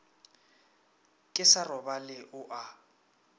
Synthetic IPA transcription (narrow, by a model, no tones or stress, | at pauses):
kʼɪsarɔbalɪʔʊʔa